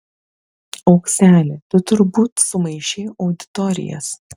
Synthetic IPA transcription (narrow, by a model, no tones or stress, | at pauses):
ɒʊksʲæːlʲɪt̪ʊt̪ʊɾbuːt̪sʊmɐɪʃʲeːʔɒʊd̪ʲɪ̥t̪ɔɾʲɪ̰jɛ̰s